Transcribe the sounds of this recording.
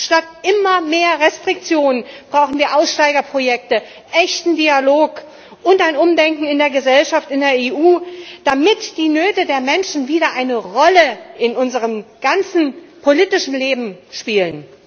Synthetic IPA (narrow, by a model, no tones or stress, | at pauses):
ʃtat̚ʔɪmɐmeːɐʁɛstʁ̥ɪk̚t͡sjoːnənb̥ʁaʊxn̩viːɐʔaʊsʃtaɪɡɐpʁ̥ojɛk̚tə | ʔɛçtn̩dialoːk | ʔʊntaɪnʊmdɛŋkŋ̩ɪndeːɐɡəzɛlʃaftɪndeːɐeːʔuːd̥amɪtd̥iːnøːtədeːɐmɛnʃn̩viːɾɐʔaɪnəʁɔləʔɪnʔʊnzəʁ̞əmɡ̥ant͡sn̩ | pʰoliːtɪʃn̩leːbm̩ʃpiːlən